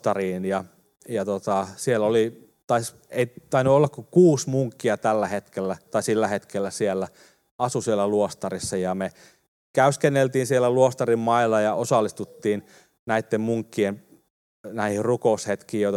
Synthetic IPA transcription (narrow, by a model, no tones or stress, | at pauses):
t̪ɑriːnjɑ | jɑt̪ot̪ɑsieloli | t̪ɑis | eit̪ɑinyolːɑkkukuːsmuŋkːiɑt̪ælːæhet̪kelːæt̪ɑisilːæhet̪kelːæsielːæ | ɑsusielːˑæluost̪ɑrisːɑjɑme | kæyskenːelt̪iːnsielːæluost̪ɑrimmɑilːɑjɑʔosɑlːist̪ut̪ːiːn | næit̪ːemmuŋkːiem | næihirrukoushet̪kiːjoit̪ɑ